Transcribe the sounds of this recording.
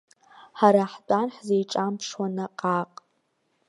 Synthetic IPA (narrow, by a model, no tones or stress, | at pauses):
ħaɾaħt͡pʼanħzejʈ͡ʂʼampʰʂwanaqʼaqʼ